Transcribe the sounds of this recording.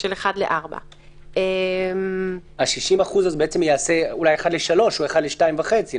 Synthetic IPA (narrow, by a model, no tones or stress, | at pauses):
ʃeleχadlḛʔaʁba̰ | ʔemhaʃiʃimaχuzazbeet͡semjaase̞ulajeχad̪leʃalo̞ʃhueχadleʃtaimvaχet͡si